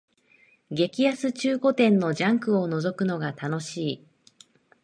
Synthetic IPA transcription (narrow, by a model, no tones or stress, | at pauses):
ɡe̞kʲijasɨt͡ɕɨːko̞t̪ẽ̞nːo̞ʑãŋkɯ̟o̞no̞zo̞kɯ̟no̞ɡat̪ano̞ɕiː